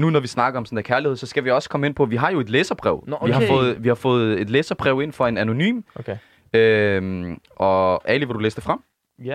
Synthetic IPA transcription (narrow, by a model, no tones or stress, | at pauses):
nunɒʋisnɑ̈ɡ̥ɐɒ̽msɔn̩d̥̪ækʰæɐlihḛsɒ̽sɡ̥æʋiɒ̽sə̥kʰɒ̽məe̝n̰pʰɒ̽ʋiɦɑ̈jo̝e̝d̥leːsɐb̥ʁɛ̰ʊʋiɦɑ̈fɔ̽ːð̩ˠʋihɑ̈fɔ̽ːð̞̩ˠe̝d̥leːsɐb̥ʁɛʊe̝n̰fɒ̽e̝næno̝ny̰ːm | øm | ʔɒ̽ʔæliʋed̥uleːsd̥efʁɑm̰